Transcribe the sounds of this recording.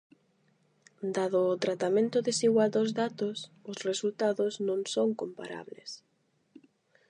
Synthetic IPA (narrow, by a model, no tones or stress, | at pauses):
d̪aðʊːt̪ɾat̪amẽnt̪ʊðesiɣwald̪ozðat̪osʊsresult̪aðʊznõŋsoŋkompa̰ɾa̰βlḛs